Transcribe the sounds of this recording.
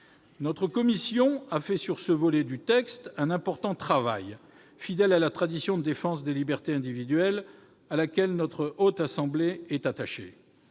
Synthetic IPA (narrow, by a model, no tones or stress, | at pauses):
nɔt̪χəkɔmisjɔ̃afɛsyʁsəvɔlɛd̪yt̪ɛkst̪ɛ̃nɛ̃pɔʁt̪ɑ̃t̪χava̰j | fid̪ɛlalat̪χad̪isjɔ̃d̪əd̪efɑ̃sd̪elibɛʁt̪eɛ̃d̪ivid̪ɥɛl | alakʲɛlnɔt̪χəot̪asɑ̃bleɛt̪at̪aʃḛ